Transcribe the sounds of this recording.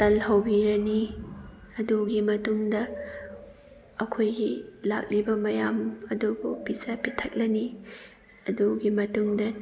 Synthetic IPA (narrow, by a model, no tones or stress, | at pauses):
tɐlhɐwbiɾɐni | ɐduɡimɐtuŋdɐ | ɐkʰojɡila̰k̚libɐmɐjamɐdubupisɐpitʰɐk̚lɐni | ɐduɡimɐtuŋdɐ